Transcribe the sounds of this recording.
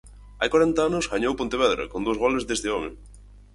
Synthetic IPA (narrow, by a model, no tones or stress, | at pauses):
a̰jkwaɾɛnt̪aanʊsɣaɲowpont̪eβɛðɾa̰kond̪owzɣɔlezðest̪ɪɔmḛ